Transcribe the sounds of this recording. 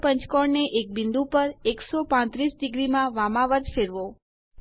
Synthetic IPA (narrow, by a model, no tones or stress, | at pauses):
pəɲt͡ʃkɔɽneʔek̚bɪ̃nd̪upəɾeksopãt̪ɾisɖɪɡɾimãʋamaʋət̪feɾʋo